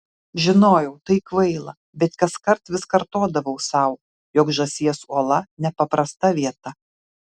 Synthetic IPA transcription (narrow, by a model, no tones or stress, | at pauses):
ʒʲɪnoːjɛʊt̪ɐɪkʋɐɪlˠɐ | bʲɛt̪kɐskɐɾt̪ʋʲɪskɐɾt̪oːd̪ɐʋɐʊsɐʊ | joːkʒɐsʲiɛsuɔlˠɐnʲɛpɐpɾɐst̪ɐʋʲiɛt̪ɐ